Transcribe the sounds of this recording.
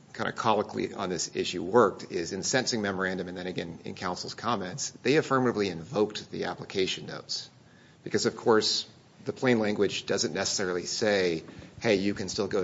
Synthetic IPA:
kʰãɪ̃ndɨkʰɑlˠəklḭʔə̰̃nðɪsɪ̰ʃʉwɜ˞k̚tʰɪzɨ̃nsɛ̃nsɪ̃ŋmɛmə˞æ̃ndɨmɨ̃nðɨ̃ɾ̃ɨɡɛ̃nɨ̰̃nkʰãʊ̃nsl̩ˠz̥kʰɑmɛ̃ntsðeɪɨfɜ˞mɨɾɨbliɨ̃ɱvoʊk̚ðḭæ̰pləkʰeɪʃɨ̃n̩ːo̰ʊts | b̥ɨkʰʌzʌv̥kʰɔɹs | ðɨpʰl̥ẽɪ̃nlæ̃ŋɡwɨd͡ʒdʌzɨ̃nːɛsə̥sɛɹl̩ˠiseɪheɪjɨkɨ̃nstɪlˠɡoʊ

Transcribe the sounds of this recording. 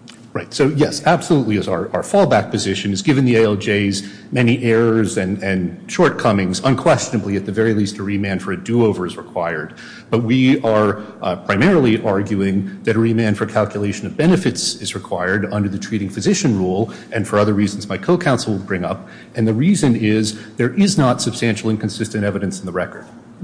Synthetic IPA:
ɹaɪtsoʊjɛsæb̥səlutˡliɨzə˞ʔə˞fɔlˠbæk̚pɨzɪʃɨ̃nɨzɡɪvɨ̃nðieɪɛlˠd͡ʒeɪz | mɛniʔɛɹəzɨ̃nɨ̃nʃɔɹt̚kʰʌmɪ̃ŋzə̃nkʰw̥ɛst͡ʃɨnəbliɨt̪̚ðɨvɛɹilistɨɹimæ̃n̥fə˞ɨdʉoʊvə˞ɨzɹɨkʰw̥aɪə˞d̚ | b̥ʌt̚wiə˞ | pʰɹ̥aɪmɛɹl̩ˠiʔɑɹɡjʉɪ̃ŋðɨɾɨɹimæ̃nfə˞kʰælˠkʰjəleɪʃɨ̃nʌvbɛnɨfɨtsɨzɹɨkʰw̥aɪə˞ɾʌ̃ndə˞ðɨtʰɹ̥iɾɪ̃ŋfɨzɪʃɨ̃nɹulˠ | ʔɨ̃nfə˞ʌðə˞ɹizn̩zmaɪkʰoʊkʰãʊ̃nsl̩ˠwəd̚ˠbɹɪ̃ŋʌp̚ | ɨ̃nðɨɹizɨ̃nɪzðə˞ʔɪznətsɨb̥stæ̃nʃl̩ˠɨ̃nkʰɨ̃n̩sɪstɨ̃ñtɛvɨɾɨ̃nsn̩ðəɹɛkə˞d̥

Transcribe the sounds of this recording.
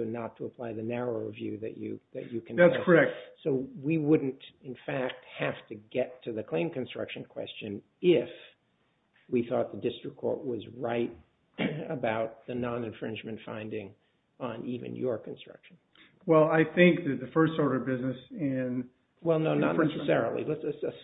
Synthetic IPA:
nətʰəəpʰl̥aɪðɨnæɹoʊvjʉðɨ̰t͡ʃɨ̰ðɨ̰t͡ʃɨkʰɨ̃nætsʰə˞ɛk̚t̚soʊwiwʊdⁿn̩tɨ̃nfæk̚t̚hæftʰɨɡɛtʰɨðɨkʰl̥ẽɪ̃mkɨ̃nstɹ̥ʌ̰kʃɨ̃nkʰw̥ɛ̰st͡ʃɨ̃n | ɪf | wiθɔt̪̚ðɨdɪstɹ̥ɨkʰːɔ̰ɹt̚wʌzɹaɪɾ | əbaʊt̪̚ðɨnɑ̃nɨ̃nfɹɪ̃nd͡ʒmɨ̃ntfã̰ɪ̃ndɪ̃ŋ | ə̃nivɨ̰̃njə˞kʰn̩stɹ̥ʌ̰kʃn̩ | wɛlˠaɪθɪ̃ŋk̚ðɨðɨfɜ˞stɔɹɾʌvbɪznɨsɪ̃n | wɛlˠnoʊnə̰tⁿnɛsɨsɛɹl̩ˠḭlətsɨtsɨ

